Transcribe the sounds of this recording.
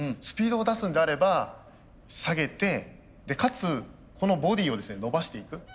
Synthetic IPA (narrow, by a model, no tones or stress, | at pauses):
ɯ̃sɨ̥pʲiːd̪o̞ːd̪asɨ̃nd̪eaɾe̞ba | saɡe̞t̪e̞ | d̪e̞kat͡sɨ | ko̞no̞bo̞d̪ʲiːo̞d̪e̞sɨne̞no̞baɕi̥t̪e̞ikɯ̟